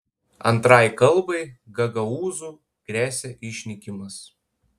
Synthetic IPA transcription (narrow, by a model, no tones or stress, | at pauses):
ɐ̰nˑt̪ɾɑˑjkɐlˠbɐɪɡɐɡɐuːzuː | ɡ̥ɾʲæːsʲɛʔɪʃʲnʲɪkʲɪmɐs